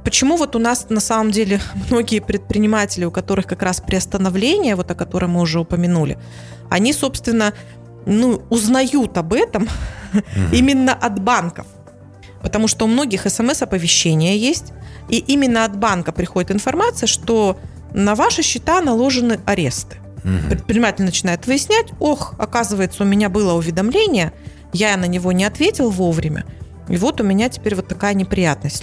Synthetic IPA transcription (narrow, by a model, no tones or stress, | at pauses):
pət͡ɕɪmuvo̞t̪ʊnasnɐsaməmdʲelʲɪmno̞ɡʲɪjəpɾʲɪt̪̚pɾʲɪnʲɪmatʲɪlʲɪʊkɐt̪o̞ɾɨxkɐkɾaspɾʲɪɐst̪ənɐvlʲenʲɪjəvo̞t̪ɐkɐt̪o̞ɾəjmɨʊʐɛʊpəmʲɪnulʲɪ̰ | ɐ̰nʲiso̞pst̪vʲɪnːə | nuʊznɐjut̪ɐbɛt̪əm | imʲɪnːəʔɐd̪bankəf | pət̪ɐmuʂt̪oʊmno̞ɡʲɪxɛsɛmɛsɐpəvʲɪɕːenʲɪjəjesʲtʲiʔimʲɪnːəɐd̪bankəpɾʲɪxodʲɪt̪ɨnfɐrmat̪sɨjəʂt̪o̞ | nɐvaʂɨɕːɪt̪anɐlˠo̞ʐɨnɨʔɐɾʲe̞st̪ɨ̥ | pɾʲɪt̪̚pɾʲɪnʲɪmatʲɪlʲnənət͡ɕɪnajʊt̪vɨjɪsʲnʲætʲo̞xɐkazɨvəjɪt̪səʊmʲɪnʲabɨlˠəʊvʲɪd̪ɐmlʲenʲɪjə | janənʲɪvo̞nʲɪɐt̪vʲetʲɪlˠvo̞vɾʲɪmʲʔə̰ | ivo̞t̪ʊmʲɪnʲatʲɪ̥pʲeɾʲvo̞t̪ːɐkajənʲɪpɾʲɪjat̪̚nəsʲtʲ